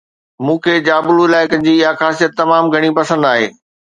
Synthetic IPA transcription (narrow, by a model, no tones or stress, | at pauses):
mũːkʰeːd͡ʑaːbʊluɪlaːɪkənɪ̆d͡ʑiːɪjaxaːsijət̪ːɐmaːmɡʱɐɽ̃ipɐsə̃nd̪aːɦḛː